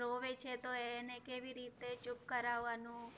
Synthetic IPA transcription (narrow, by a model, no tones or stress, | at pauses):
ɾoʋet͡ʃʰet̪oenekeʋiɾit̪et͡ʃʊp̚kəɾaʋːanũ